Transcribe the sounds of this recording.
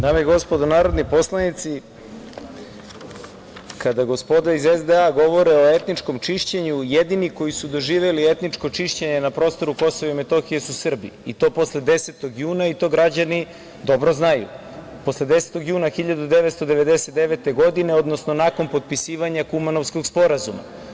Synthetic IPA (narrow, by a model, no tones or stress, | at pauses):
d̪aːmeiɡo̞spo̞d̪onaːɾo̞d̪nipo̞slˠanit̪si | kad̪aɡo̞spo̞d̪aɾizezd̪eaɡo̞ʋo̞ɾeo̞et̪nit͡ʃko̞mt͡ʃiʃt͡ɕeɲujed̪iniko̞jisud̪o̞ʒiːʋelie̞t̪nit͡ʃko̞t͡ʃiʃt͡ɕe̞ɲenapɾo̞ːst̪o̞ɾuko̞soʋiimet̪o̞xije̞susr̩bḭit̪o̞ːpo̞sled̪e̞set̪o̞ɡjuːnait̪o̞ːɡɾad͡ʑani | d̪o̞bɾo̞znajṵ | po̞sled̪e̞set̪oɡjuːnaxiʎad̪ud̪e̞ʋet̪st̪o̞d̪e̞ʋe̞d̪e̞se̞t̪d̪eʋe̞t̪e̞ɡo̞d̪ine̞o̞d̪no̞sno̞nako̞npo̞d̪̚pisiːʋaɲakumanofsko̞ɡspo̞ɾazuma̰